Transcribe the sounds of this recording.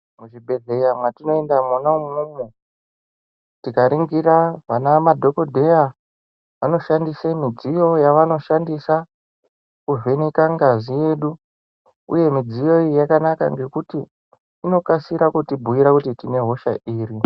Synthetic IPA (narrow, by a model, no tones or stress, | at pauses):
muʐibʱe̞ɮe̞jamwatino̞e̞ndamunaumumu | tikaɾiŋɡiɾaʋanamadʱo̞ko̞dʱe̞ja | ʋano̞ʃandisemid͡zijo̞jaʋano̞ʃandisa | kuve̞nekaŋɡazije̞ːɗu | ṵje̞mid͡zijo̞ijakanaka̰ŋɡe̞kutiː | no̞kasiɾakutibʱuiɾakutitine̞ɦo̞ʃa̰ʔiːɾi